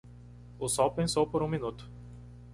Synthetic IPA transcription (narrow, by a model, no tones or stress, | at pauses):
ʊsɔwpẽsowpoɾũminut̪ʊ̥